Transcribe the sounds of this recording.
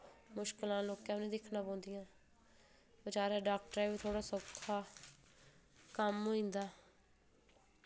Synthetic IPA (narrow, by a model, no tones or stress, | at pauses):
mʊʃkɪlãːloːkɛ̃ːʊnẽːd̪ɪkʰnãːpõːnd̪ijãː | bət͡ʃaːɾɛːɖaːk̚ʈəɾɛːbiːt̪ʰoːɽaːsobkʰːaː | kəmɦoːĩːnd̪aː